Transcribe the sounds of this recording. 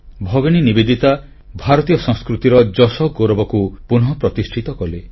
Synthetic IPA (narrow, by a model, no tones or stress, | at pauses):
bʱɔɡɔɽ̃inibed̪it̪a | bʱaɾɔt̪ijɔsɔ̃ŋskɾut̪iɾɔd͡ʒɔsɔɡoɾɔbɔkupunɦɔpɾɔt̪isʈʰit̪ɔkɔle